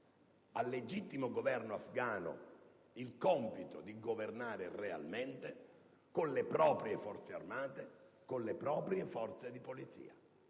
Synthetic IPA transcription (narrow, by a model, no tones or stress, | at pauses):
alːed͡ʒit̪ːimoɡovɛrnoafɡaːno̰ | ilkɔmpit̪o̰d̪iɡovernaːɾerea̰lment̪e | konlepɾɔːpɾjefɔrt̪sea̰rmaːt̪ekonlepɾɔːpɾjefɔrt̪sed̪ipolit̪sḭːa